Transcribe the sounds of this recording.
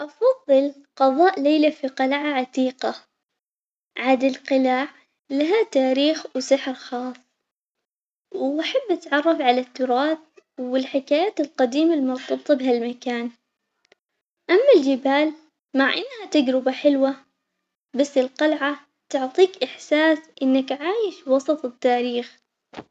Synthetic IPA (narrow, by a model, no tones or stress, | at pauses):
ʔɑfɑðˤːɨl | qɑðˤɑːʔleːlafiqɑlʕaʕat̪iːqa | ʕad̪alqɪlaːʕ | laɦat̪aːɾiːxwsɪħɾxɑːsˤ | wʔaħabːʔat̪ʕɑrˤːɑfʕalat̪ːʊɾˤɑːθwɪlħɪkaːjaːt̪ɪlqɑd̪iːmalmʊɾˤt̪ˤːɑb̚t̪ˤːbɦalmakaːn | ʔamːald͡ʒɪbaːl | maʕʔanːhat̪aɡɾɪbaħɪlwa | basːɪlqɑlʕa | t̪ʊʕt̪ˤiːkʔɪħsaːsʔɪnːakʕaːjɪʃwɑsˤɑt̪ˤɨt̪ːaːɾiːx